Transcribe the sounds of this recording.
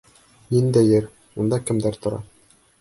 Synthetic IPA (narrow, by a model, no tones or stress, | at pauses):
nind̪æjɘɾ | und̪ɑkɘ̆md̪æɾt̪ŏɾɑ̰